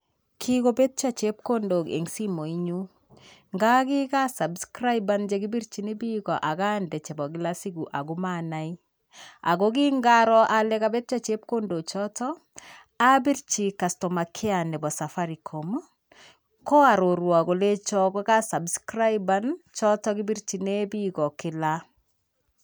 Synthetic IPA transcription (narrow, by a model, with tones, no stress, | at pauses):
kʰiko˦be˦t̚t͡ʃa˦t͡ʃe˦p̚ko˦ndo˨kḛ˨ŋsi˦mo˨i˦ɲu˦ | ŋɡa˦ki˦ka˦sa˨bskɾa˦jband͡ʒe˨ɡi˦bi˦ɾt͡ʃi˨ni˦bi˦kɔ˨ʔa˨ka˦ndɛ˨t͡ʃɛ˨bɔ˨ɡi˦lasi˦ɡu˨ʔa̰˨ɡu˦manai | a̰˨ɡo˦ki˦ŋɡaɾɔ˦ʔalɛ˦kabe˦t̚t͡ʃa˦t͡ʃe˦p̚ko˦ndo˨t͡ʃɔtɔ˦ | a˦bi˦ɾt͡ʃi˨ka˨sto˨ma˨kʰɪ˦a˨nɛ˨bɔ˨sa˨fa˦ɾi˨kʰo˨m | kɔ˦a˨ɾo˨ɾwa˨ko˨le˦t͡ʃɔ˦ɡɔ˦ka˦sa˨bskɾa˦jbant͡ʃɔ˦tɔɡi˦bi˦ɾt͡ʃi˨ne˦bi˦ɡɔ˨ki˦la